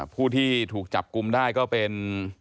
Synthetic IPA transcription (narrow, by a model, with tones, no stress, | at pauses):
pʰuː˥˩t̪ʰiː˥˩t̪ʰuː˨˩k̚t͡ɕa˨˩p̚ku˧mdaː˥˩jkɔː˥˩pe˧n